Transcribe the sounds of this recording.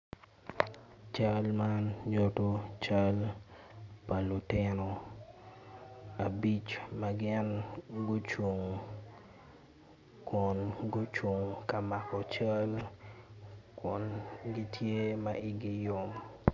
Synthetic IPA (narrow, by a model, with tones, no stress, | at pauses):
t͡ʃa˦lma˦nd͡ʒɔ˦to˦t͡ʃa˦l | pa˨lu˨tɪ˦no˨ | a˨bi˦t͡ʃma˦ɡɪ˦nɡʊ˦t͡ʃwo˨ŋ | kʊ˨nɡʊ˦t͡ʃwo˨ŋka˨ma˨kɔ˨t͡ʃa˦l | kʊ˨nɡi˦tʰje˦maʔɪ˦ɡɪ˦jo˦m